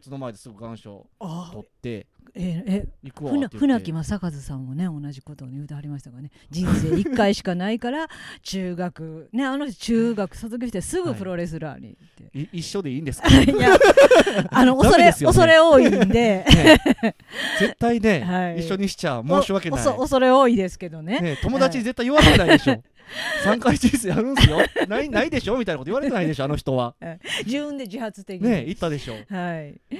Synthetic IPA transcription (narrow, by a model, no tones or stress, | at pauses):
t͡sɨno̞maed̪esɨɡɯ̟ɡãɰ̃ɕo̞̰t̪ot̪ːe̞̰eeikɯhɯ̟naɸɯ̟nakʲimasakazɨsãmːo̞ne̞o̞naʑiko̞t̪o̞ɲejɯ̟ːt̪eɦaɾʲimaɕi̥t̪aɡane̞ | d͡ʑĩɰ̃se̞ːikːaiɕi̥kanaikaɾat͡ɕɨːɡakɯ̟ne̞anoçt͡ɕɨːɡakɯ̟̥sot̪ok̬ʲeɕi̥t̪esɨɡɯ̟pɯ̟ɾo̞ɾe̞sɨɾa̰ːɲ̟ḭ | t̪ːe̞̰iɕːo̞d̪eĩːnd̪esɨ̥ja | ano̞oasoɾeesɨjoso̞ɾe̞o̞ːind̪ee | ze̞t̪ːaine̞haiiɕɕːo̞ɲ̟iɕi̥t͡ɕamoːɕiβakensooso̞ɾe̞o̞ːid̪e̞sɨ̥ke̞d̪o̞ne̞ne̞t̪o̞mo̞d̪at͡ɕiɲ̟ize̞t̪ːaijoβaɾet̪enaieɕo | sãŋkait͡ɕiseaɾɯ̟̃ɰ̃sɨjonainaid̪e̞ɕo̞mʲit̪ainakot̪oiβaɾeeaid̪e̞ɕoano̞çi̥t̪o̞βa̰d͡ʑibɯ̟̃nd̪e̞d͡ʑihat͡sɨ̥t̪e̞kʲne̞it̪ːad̪e̞ɕo̞̰ːhai